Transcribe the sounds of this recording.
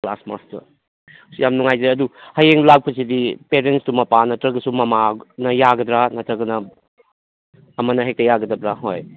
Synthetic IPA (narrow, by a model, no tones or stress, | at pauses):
kla̰sma̰stɐ̰ | sujamnuŋajzaɐduhɐjeŋlak̚pʰɐsidipeɾenstumɐpanɐtɾɐɡɐsumɐmanɐjaɡɐdɾanɐtʰɐɡɐnɐ | ɐmɐnɐɦek̚tɐjaɡɐdɐbɾaɦoj